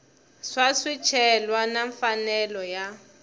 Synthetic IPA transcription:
swasit͡ʃʰɛlwanaɱfanɛlɔja

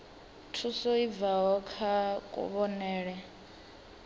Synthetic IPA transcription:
tʰusɔib̪vaɦɔkʰakʼṵβɔnɛːɺɛ

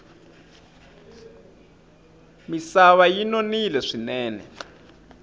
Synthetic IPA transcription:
misaβajinonilɛʂinɛːnɛ̰

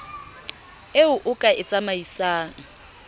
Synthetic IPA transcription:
eʊʔʊkʼaʔɪt͡sʼamaisaːŋ̩

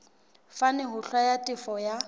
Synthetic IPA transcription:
fanɪɦʊɬwajatʼɪfɔja

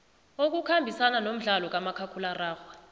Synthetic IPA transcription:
ok̬ukʰambʱisananom̩ɮalɔk̬ʼamakʰakʰularaːxwa

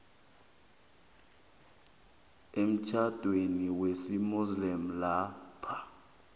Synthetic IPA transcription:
em̩t͡ʃʰad̥ʱweniwesimuzlim̩lapʰa

